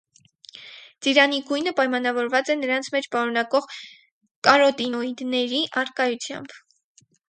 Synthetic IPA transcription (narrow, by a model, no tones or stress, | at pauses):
d͡ziɾɑniɡujnəpɑjmɑn̪ɑvɔɾvɑt͡sɛnəɾɑnt͡sʰmɛt͡ʃʰpɑɾunɑkɔʁ | kɑɾɔt̪inɔid̪nɛɾiʔɑrkɑjut͡sʰjɑ̰mb̥